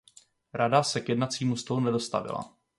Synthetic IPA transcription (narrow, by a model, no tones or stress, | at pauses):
ɾadasɛkjɛdnatt͡siːmust̪olunɛdo̞st̪a̰vɪ̰la̰